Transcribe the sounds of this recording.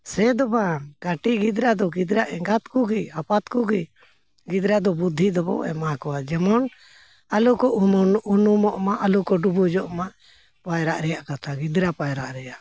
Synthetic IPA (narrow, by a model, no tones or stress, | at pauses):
sɛd̪ɔbaɡaʈiɡid̪ɾad̪ɔɡid̪ɾaʔɛŋɡat̪kuɡiapat̪kuɡi | ɡid̪ɾad̪ɔbud̪ʱːid̪ɔbɔ̰ɛ̰makɔwad͡ʒɛmɔn | alukɔʔunumɔʔmaʔalukɔɖubud͡ʒɔʔmaʔ | pajɾaʔɾɛjaʔkat̪ʰaɡid̪ɾapajɾaʔɾɛjaʔ